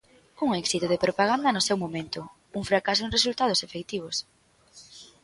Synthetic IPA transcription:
uŋɛksit̪oðepɾopaɣ̞and̪ɐnʊsewmomẽnt̪ʊ | uŋfɾakasoɪ̃result̪að̞osefek̚t̪iβ̞os

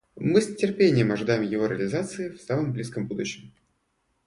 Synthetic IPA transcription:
mɨsʲnʲɪtʲɪrpʲenʲɪjəmɐʐɨd̪ajɪmjɪvo̞ɾʲɪəlʲɪzat̪sɨɪfsaməmblʲiskəmbud̪ʊɕːɪm

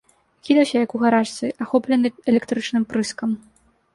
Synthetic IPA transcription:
kʲid̪ɐwsʲɐjɐkuɣaɾaʂt̪sɨʔaxɔplʲɛnɨɛlʲɛkt̪ɾɨt͡ʂnɨmpɾɨskɐm

